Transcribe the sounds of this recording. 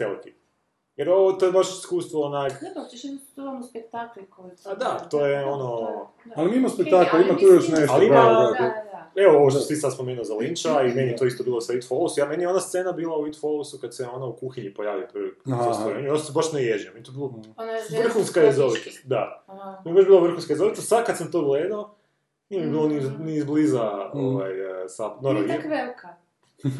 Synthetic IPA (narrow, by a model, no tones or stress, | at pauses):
elik̪i | jeɾoʋot̪ojebaʃi̥skuːst̪ʋoːnak | t̪uamspek̚t̪aklikoad̪at̪oːjeono | alimiimamspekt̪aklaimat̪ujoʃneʃaliimaa | eooʋoʃt̪osisad̪spo̞meːnuozalint͡ʃaimenijet̪oist̪obiːlˠosait̪folˠusjamenijeonast̪se̞nabiːlˠauit̪folusukad̪seo̞naukuxiɲipojaːʋiopɾastoɾeɲujot̪osebaʃnejeʒijamenet̪obilˠoʋr̩xunskaezoʋit̪ad̪at̪omjebad͡ʒbiːlˠaʋr̩xunskaezo̞ʋit̪asad̪̚kad̪samt̪oːɡleːd̪ao | niemjibiːlˠoninizblizaoʋa̰jsapnoɾa